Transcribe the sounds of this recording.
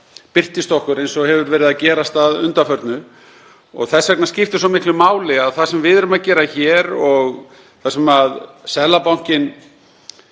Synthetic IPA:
pɪr̥t̪ɪst̪ɔhkʏɾejnsɔɣhɛvʏɾvɛːɾɪðacɛːɾast̪aðʏnt̪afœɾt̪nʏ | ɔ̰ɣθɛsvɛknascɪft̪ɪsɔmɪhklʏmaːwlɪaðθaðsɛmvɪðɛɾʏmaðcɛːɾaçɛːɾɔɣ | θasɛmaðsɛlapawŋ̥cɪn

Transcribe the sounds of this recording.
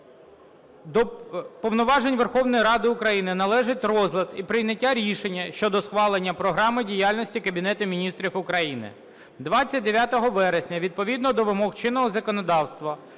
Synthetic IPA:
d̪ɔpɔʋnʊʋɑʒenʲʋerxɔwnɔjɾɑd̪ɪʊkɾɐjinɪnɐlˠɛʒɪtʲrɔzlʲˠɐd̪ipɾɪjnʲɐtʲːaɾʲiʃenʲːɐʃt͡ʃɔd̪ɔsxʋɑlˠenʲːɐpɾɔɦɾɑmɪdʲijalʲnɔsʲtʲikɐbʲinɛt̪ʊmʲinʲist̪ɾʲifʊkɾɐjinɪ̰ | d̪ʋɑtt͡sʲːɐt̚ʲd̪eʋʲjat̪ɔɦɔʋɛɾesʲnʲɐʋʲid̪̚pɔʋʲid̪nɔd̪ɔʋɪmɔxt͡ʃɪnːɔɦɔzɐkɔnɔd̪ɑwst̪ʋɐ

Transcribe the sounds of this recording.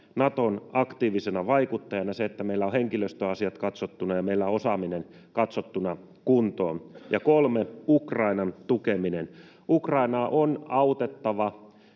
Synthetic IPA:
nɑt̪onɑkt̪iːʋisenɑʋɑikut̪ːɑjɑnɑseet̪ːæmeilːæoheŋkiløst̪øɑsiɑt̪kɑt̪sot̪ːunɑjɑmeilːæosɑminen | kɑt̪sot̪ːunɑ | kunt̪o̰ːnjɑkolmeukrɑinɑnt̪ukeminen | ukrɑinɑːʔonɑut̪et̪ːɑʋɑ

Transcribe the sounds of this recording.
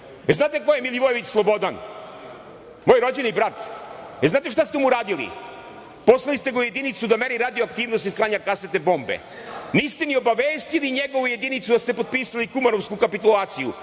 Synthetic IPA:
eznaːt̪eko̞jemiliʋojeʋit͡ɕslˠo̞bo̞d̪an | mojɾo̞d͡ʑenibɾat̪eznaːt̪e̞ʃ̬t̪ast̪emuɾaːd̪ilḭ | po̞slˠalist̪eɡauje̞d̪init̪sud̪ameɾiɾad̪ioakt̪iːʋnost̪isklˠaːɲakaset̪e̞bo̞mbḛ | nist̪enio̞baʋeːst̪iliɲeɡo̞ʋuje̞d̪init̪sud̪ast̪epo̞d̪̚piːsalikumanoʋskukapit̪ulˠaːt̪siju

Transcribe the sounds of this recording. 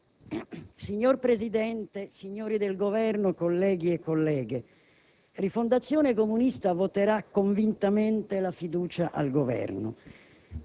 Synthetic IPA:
siɲːorpɾezid̪ɛnt̪esiɲːoːɾid̪elɡovɛrnʊkolːɛːɡiekːolːɛːɡe | rifond̪at̪sːjoːnekomunist̪avot̪eɾakːoɱvint̪ament̪elafid̪uːt͡ʃaʔa̰lɡovɛ̰rnʊ̰

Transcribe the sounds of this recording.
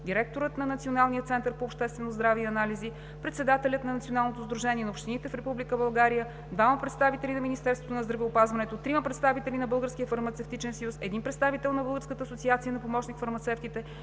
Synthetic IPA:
d̪iɾɛk̚t̪oɾət̪nɐnɐt̪sionalˠnijət̪sɛnt̪əɾpoːpʃt̪ɛst̪vɛnozd̪ɾaviɐnalizi | pɾɛt̪sɛd̪at̪ɛlʲət̪nɐnɐt̪sionalˠnot̪ozd̪ɾuʒɛnʲiɛnɐopʃt̪init̪ɛfɾɛpublikəbɐlˠɡaɾijə | d̪vamɐpɾɛt̪st̪avit̪ɛlʲinɐminist̪ɛɾst̪vot̪onɐzd̪ɾɐvɛopazvɐnɛt̪ot̪ɾiməpɾɛt̪st̪avit̪ɛlʲinɐbɤlˠɡəɾskʲiəfɐɾmɐt̪sɛft̪it͡ʃɛnsəjusɛd̪inpɾɛt̪st̪avit̪ɛlˠnɐbɤlˠɡəɾskət̪əːsot̪siat̪sijənɐpomɔt͡ʃnikfɐɾmɐt̪sɛft̪it̪ɛ

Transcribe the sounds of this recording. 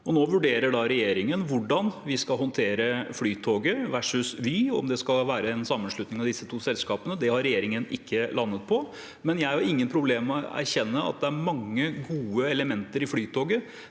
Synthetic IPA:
ɔnoːʋʉɖeːɾəɖɑɾɛjeːɾɪŋənʋʊɖɑnʋɪskɑlɦɔnt̪ʰeːɾəflyːt̪ʰoːɡəɾʋæʂʉsʋyːɔ̰md̪ɛskɑlʋæːɾəɛnsɑmːənʂɭʉt̪nɪŋɑʋd̪ɪsːət̪ʰuːsɛlskɑːpənəd̪ɛhɑɾɛjeːɾɪŋənɪkʰːəlɑnːət̪̚pʰɔ | mɛnjæɪɑɾɪŋːənpʰɾʊbleːmːɛɔæ̰ɾçɛnːəɑ̰t̪̚d̪ɛæɾmɑŋːəɡuːəɛləmɛnt̪əɾɪflyːt̪ʰoːɡə

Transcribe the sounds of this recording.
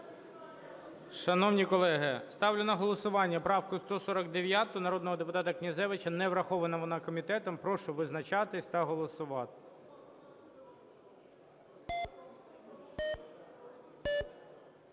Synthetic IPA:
ʃɐnɔwnʲikɔlˠɛɦɪst̪ɑwlʲʊnɐɦɔlˠɔsʊʋɑnʲːɐpɾɑwkʊst̪ɔsɔɾɐkd̪eʋʲjat̪ʊnɐɾɔd̪nɔɦɔd̪epʊt̪ɑt̪ɐknʲɐzɛʋɪt͡ʃɐnɛʋɾɐxɔʋɐnɐʋɔnɑkɔmʲit̪ɛt̪ɔmpɾɔʃʊʋɪznɐt͡ʃɑt̪ɪsʲt̪ɐɦɔlˠɔsʊʋɑt̪ɪ̥

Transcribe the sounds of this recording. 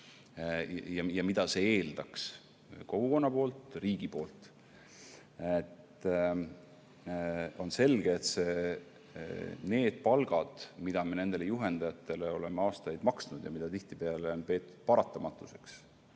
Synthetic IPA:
jɑjɑmid̪̥ɑseeːld̪̥ɑks | ko̞ɡ̥uko̞nːɑpo̞ːlt̪riːɡ̥ipo̞ːlt̪ˑ | et̪ː | onse̞lɡ̥e̞ːt̪se | ne̞ːd̪̥̚pɑlɡ̥ɑd̪̥mid̪̥ɑmene̞nd̪̥e̞lejuɦe̞nd̪̥ɑjɑt̪ːˑe̞le̞o̞le̞meɑːst̪ɑjd̪̥mɑksnud̪̥jɑ̰mid̪ɑt̪iht̪ipeɑle̞o̞npe̞ːt̪ːˑu̥d̪̥̚pɑɾɑt̪ːˑɑmɑt̪ːˑuse̞̥ks

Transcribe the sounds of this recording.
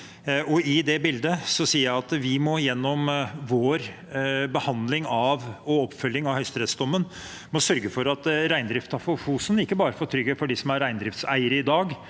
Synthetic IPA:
ɔɪd̪ɛbɪld̪əsɔsiːəjæɪɑt̪ʋɪmɔjɛnːɔmʋoːɾ | bəhɑnd̪lɪŋɑʋɔɔpːfœljɪŋɑʋhœʏst̪ɾɛt̪sd̪ɔmːən | mɔsœɾɡəfɔɾɑt̪ɾæɪnd̪ɾɪft̪ɑfʊfuːsənɪkːəbɑːɾəfoːt̪ʰɾʏɡːəfɔɖisɔmæɾːæɪnd̪ɾɪft̪sæɪəɾəɪd̪ɑːɡ

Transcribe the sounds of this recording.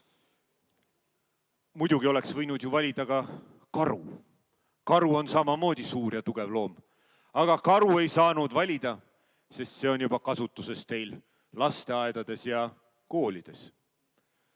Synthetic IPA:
mujd̪̥uɡio̞le̞ksvɤjnud̪̥juvɑlʲid̪̥ɑɡ̥ɑ | kɑɾṵ | kɑɾuo̞nsɑmɑmo̞ːd̪̥ʲisuːɾjɑt̪uɡ̥e̞vlo̞ːm | ɑɡ̥ɑkɑɾue̞jsɑːnud̪vɑlʲid̪̥ɑ | se̞st̪se̞o̞njub̥ɑkɑsut̪ːˑuse̞st̪e̞jl | lɑst̪e̞ɑed̪̥ɑd̪̥e̞sjɑ | koːlʲid̪̥e̞s

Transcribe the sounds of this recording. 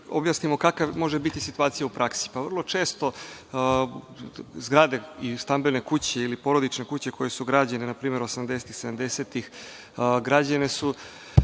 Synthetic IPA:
objasnimo̞kakaʋmo̞ʒebit̪isit̪uaːt̪sijaupɾʔaksi̥paʋr̩lˠo̞t͡ʃeːst̪o̞ | zɡɾad̪e̞ist̪ambelne̞kut͡ɕe̞ilipo̞ɾo̞d̪it͡ʃne̞kut͡ɕe̞kʰo̞je̞suɡɾad͡ʑanenapɾiːme̞ɾo̞samd̪eset̪ixsed̪amd̪eset̪ix | ɡɾad͡ʑane̞su

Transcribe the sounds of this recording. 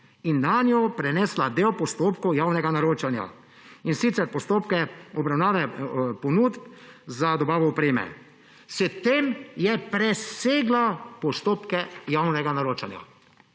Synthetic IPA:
inːanjɔpɾɛnɛːslad̪eːwpɔst̪oːpkɔwjaːwnɛɡanaɾoːt͡ʃanja̰ | insit̪sɛɾpɔst̪oːpkɛɔbɾawnaːʋɛpɔnuːt̪pzad̪ɔbaːʋɔɔpɾeːmɛ̰ | sɛt̪emjɛpɾɛseːɡlapɔst̪oːpkɛjawnɛɡanaɾoːt͡ʃanja̰

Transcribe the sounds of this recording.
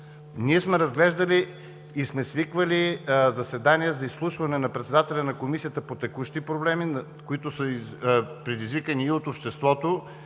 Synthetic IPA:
niɛsmɛɾɐzɡlɛʒd̪ɐliː | smɛsvikvəlizɐsɛd̪aniɛzɐislˠuʃvɐnɛnɐpɾɛt̪sɛd̪at̪ɛlʲɐnɐkomisijət̪əpot̪ɛkuʃt̪ipɾoblɛmin | koit̪osə | pɾɛd̪izvikəniːot̪opʃt̪ɛst̪vɔt̪o

